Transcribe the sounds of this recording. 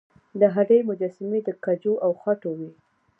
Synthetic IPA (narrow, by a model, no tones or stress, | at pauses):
d̪əɦaɾejmʊd͡ʒasɪmed̪əkad͡ʒoʔawxaʈowi